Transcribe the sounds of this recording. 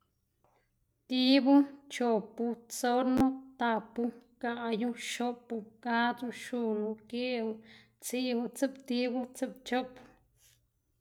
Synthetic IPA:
t̪i˦bu˦t͡ʃo˨pu˧t͡so˦ɾnõ˦t̪a˧˨pu˧ka˧ʔa˧ju˦˧ʃo˦pu˧ka˦t̪u˧ʃu˧nõ˧ke˦u˧ | t͡si˦u˧t͡sɨ˦pt̪i˦bu˦t͡sɨ˦p̚t͡ʃo˦pu˧

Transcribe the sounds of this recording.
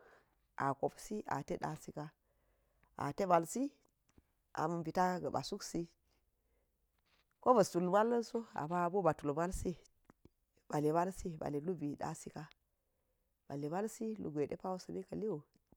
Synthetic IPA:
ʔa˨ko˨psi˦ʔa̰˨te˦ɗa̰˨si˦ka˦ | a̰˨te˦ba˨lsi˦ | ʔa̰˨mu˨nbi˨ta˦ɡə˨ba̰˨su˦ksi˦ | ko˦ba˨su˨lba˦lːə˦nso˦a̰˨ba˦˨bo˦ba˨tu˨lma˦lsi˦ | b̥a˨le˨ba˦lsi˦˨ba̰˨le˨lu˦bi˨ɗa̰˦si˦ka˦ | b̥a˨le˨ba˦lsi˦lṵ˨ɡʷe˨dḛ˦pa˦wo˦sə˨ni˦ka˨li˦wo˨

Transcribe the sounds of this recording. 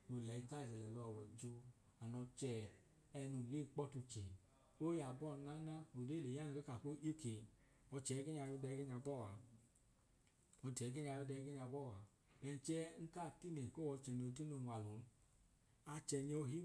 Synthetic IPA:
o˨lɛ˨i˧˦ka˦˨zɛ˨lɛ˨lɔ˧˨wɔ˨d͡ʒu˧ | a˨nɔ˧t͡ʃɛ˧ | ɛ˧nu˨ɾe˦˨k͡pɔ˦tu˧t͡ʃɛ˨ | o˦ja˨bɔ˦˨˧na˦na˦o˨ɾe˦˨le˨ja˦n˧ke˦ka˨ko˦o˦ke˨ | ɔ˧t͡ʃɛ˨˦ɡe˦ɲ˦a˧jo˧˦dɛ˧˦ɡe˦ɲa˧bɔ˦˨wa˨ | ɔ˧dɛ˨˦ɡe˦ɲ˦a˧jo˧˦dɛ˧˦ɡe˦ɲa˧bɔ˦˨wa˨ | bɛ˧n̩˦t͡ʃɛ˦ŋ̩˦ka˦˨ti˦ne˨ko˦wɔ˧t͡ʃɛ˧˨n˧o˧de˦no˧˨nʷ˨a˨lo˨n˦ | a˧t͡ʃɛ˧ne˧o˧ɦi˦

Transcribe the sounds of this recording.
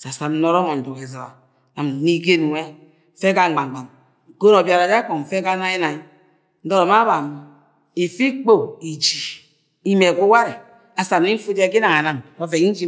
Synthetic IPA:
sa˨sa˨mn̩˦no˦ɾo˦mo˨n̩˨du˨ke˨zo˨a˨ | na˨m˨ni˦ɡe˦n˨ŋʷe˦˨ | fe˦ka˦˨ŋ͡m̩˨ɡ͡ba˨ŋ͡mɡ͡ba˨m˨ | ko˦no˨bja˨ɾa˨d͡ʒa˦ko˨ŋ̩˨fe˦ka˦na˦i˦na˨i˦ | n̩˦do˦ɾo˨ma˦ba˨mi˨ | i˨fi˦k͡po˦˨i˨d͡ʒi˨ | i˦me˨ku˦wa˦ɾi˨ | a˨sa˨m˦ni˦m̩˦fu˦d͡ʒe˦k̬i˦na˨ŋa˨na˨mo˦fe˨ki˦d͡ʒi˦

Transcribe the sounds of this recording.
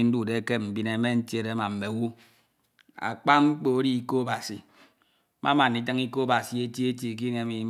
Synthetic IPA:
i˨n̩˦du˦˨de˨˦ke˦m̩˨bi˦ne˨˦me˦n̩˦tje˦˨de˨˦ma˨m̩˨me˨˦wu˦ | a̰˨k͡pa˦ŋ͡m̩˦k͡po˨o˦ɾi˦i˨ko˦ba˨si˨ | mʔa˦ma˨n̩˨i˦t̬ɨ˦ŋi˦ko˦o˦ba˨si˨e˦tji˦e˦tje˨k̬i˦ne˨˦mi˨˦

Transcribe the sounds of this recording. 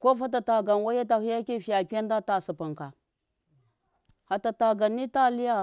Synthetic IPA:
ko˦fa˦t̬a˨ta˨ɡa˨nwa˦je˦t̬a˨hi˦ja˦ki˦fi˨ja˨pa˦n˦da˦ta˨su˨pa˨ŋka˨ | ha˨ta˨ta˨ɡa˨nːi˦ta˦˨li˦ja˦

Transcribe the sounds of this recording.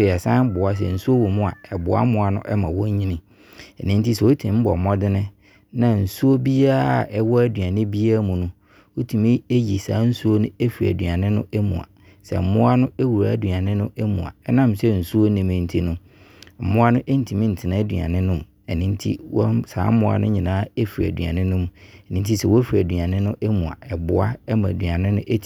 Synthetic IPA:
e˨ɛ˨sãː˦m˦bʊ˨a˦s̬ɛ̰˨n̩˨su˦o˦wɔ˨mũ˦a̰˨ɛ˨bʊ̰˨˦a̰˦mʊ̃˦a˨nʊ̰̃˦ʔɛ˦mã̰˨wɔ̃˦ɲ˦ɲĩ˦nĩ˦ | ɛ˨nɪ̃˦n˦ti˦sɛ˨wo˦tʰĩ˨m̩˦bɔ˨mɔ˦dɪ˦nɪ̃˦ | nã˨n̩˨su˦o˦bi˦a˦˨ʔɛ˦wɔ˦æ˦du˨a˨nɪ̃˦bi˦a˦mũ˨nʊ̃˦ | wo˦tʰu˨mĩ˦e˦ji˨saː˨˦n̩˦su˦o˦nʊ̃˦e˦fi˨ɾæ̰˨dɥa˨nɪ̃˦nʊ̰̃˦ʔæ˦mṵ̃˨a̰˨ | sɛ̰˨m̩˨mʊ̃˦a˦nʊ̃˦e˦wu˨ɾa̰˨˦du˨a˨nɪ̃˦nʊ̃˦ʔɛ˦mṵ̃˨a̰˨ɛ˦nã˦msɛ˦n̩˨su˦o˦nĩ˨mɪ̃˨˦n̩˨tʰi˦nʊ̃˦ | m̩˨mʊ̃˦a˦nʊ̃˦ʔe˦n̩˦tʰi˨mĩ˦n̩˨tʰɪ˨nã˨˦dṵ˨ã̰˨nɪ̃˦nʊ̃˦m̃˨ɛ˨nĩ˦n˦tʰḭ˦wɔ̰˦sa̰ː˨˦m̩˦mʊ̃˦a̰˨nʊ̰̃˦ɲĩ˨nãː˦e˦fi˨ɾæ̰˨dɥã̰˨nɪ̃˦nʊ̃˦mũ˨ɛ˨nĩ˦n˦tʰi˦sɛ˦˨wɔ˦fi˨ɾæ˨dɥa˨nɪ̃˦nʊ̃˦ʔɛ˦mũ˨a̰˨ɛ˨bʊ˦a˦ɛ˦mã˨dɥã˨nɪ̃˦nʊ̃˦ʔe˦tʰi˨

